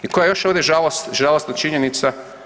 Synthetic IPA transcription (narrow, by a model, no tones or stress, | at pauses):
ikojajoʃoːʋd̪ʲjeʒalˠost̪ʒalost̪nat͡ʃiɲenit̪sa